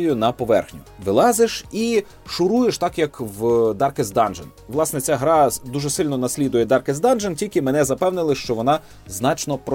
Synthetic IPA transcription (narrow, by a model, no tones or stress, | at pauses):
jʊnɐpɔʋɛ̰rxnʲʊʋɪlˠɑzeʃi | ʃʊɾujeʃt̪ɑkjɐkʋd̪ɑrkezd̪ɑnʒenʋlˠɑsnɛt͡sʲaɦɾɑd̪uʒɛsɪlʲnɔnɐsʲlʲid̪ʊjɛd̪ɑrkezd̪ɑnʒentʲilʲkɪmɛnɛzɐpɛwnɪlˠɪʃt͡ʃɔʋɔnɑ | znɑt͡ʃnɔpɾɔ